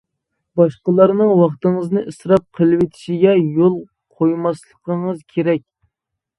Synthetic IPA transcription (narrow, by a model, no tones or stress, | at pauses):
bɑʃqəlˠɑɾnɨŋwɑχt̪əŋəznɨʔɨsɾɑp̚qʰəlˠɨwet̪ʰɪ̥ʃiɡʲɛjolˠ | qʰojmɑslˠəqəŋəzkʲʰeɾɛkʲ